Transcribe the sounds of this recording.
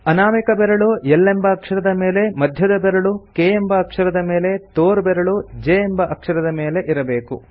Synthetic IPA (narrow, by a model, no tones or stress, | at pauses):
ɐnaːmikɐbɛɾɐɭujelːembɐːkʂɐɾɐd̪ɐme̞ːle̞mɐd̪ʱjɐd̪ɐbɛɾɐɭukeːembɐːkʂɐɾɐd̪ɐme̞ːle̞t̪oːɾbɛɾɐɭud͡ʒeembɐʔɐkʂɐɾɐd̪ɐme̞ːle̞ʔiɾɐbe̞ːkṵ